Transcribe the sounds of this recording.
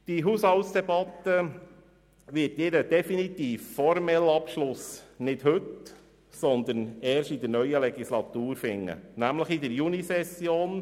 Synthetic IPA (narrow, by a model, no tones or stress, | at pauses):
d̥iɦuːshɑltsd̥ɛbɑt̪ːə | ʋɪtɪɾəd̥ɛfinit̪iːfːɔɾmɛlɑpʃlʊsnɪd̥hɵt | sɔnd̪ənɛːɾʃid̪ənœʏəlɛɡislɑt̪uːɾfɪŋːə̰næmləχid̪əɾjunisɛsjoːn